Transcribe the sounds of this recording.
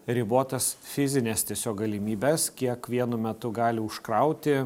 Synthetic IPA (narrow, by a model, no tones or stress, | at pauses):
ɾʲɪboːt̪ɐsfʲɪzʲɪnʲɛst̪ʲiɛsʲoːk̚ɡɐlʲɪmʲiːbʲɛskʲiɛkʋʲiɛnʊmʲɛt̪ʊɡɑːlʲɪʊʃkɾɐʊt̪ʲɪ